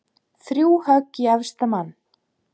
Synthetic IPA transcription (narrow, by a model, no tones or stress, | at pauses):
θɾjuːwhœkiaðst̪amanː